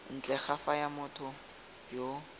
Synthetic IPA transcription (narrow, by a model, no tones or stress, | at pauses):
n̩t͡ɬʼɛχafajamʊtʰʊ | jo